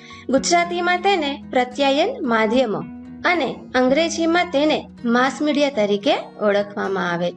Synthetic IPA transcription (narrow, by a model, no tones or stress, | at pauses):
ɡʊd͡ʒɾat̪imãt̪enepɾət̪jajənmad̪ʱjəmo | əne | əŋɡɾed͡ʒimãt̪ene | masmiɽijat̪əɾikeəɭəkʰʋamãaʋe